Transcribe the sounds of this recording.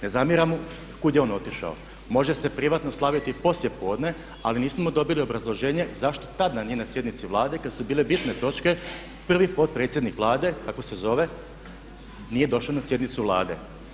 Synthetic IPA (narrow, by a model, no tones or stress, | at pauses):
ne̞zamjiɾamu | kud̪jeo̞no̞t̪iʃa̰o̰ | mo̞ʒese̞pɾiʋat̪noslˠaʋit̪ipo̞slje̞poːd̪ne̞ | aliniːsmo̞d̪o̞bilio̞bɾazlˠo̞ʒeːɲe̞zaʃt̪o̞t̪ad̪anijenasjed̪nit̪siʋlˠaːd̪ekad̪subiːle̞bit̪ne̞t̪o̞t͡ʃke̞ | pr̩ʋipo̞t̪̚pɾet̪sjed̪nikʋlˠaːd̪e̞kakʋose̞zo̞ʋe̞ | nije̞d̪o̞ʃlanasje̞d̪nit̪suʋlˠa̰ːd̪e̞̰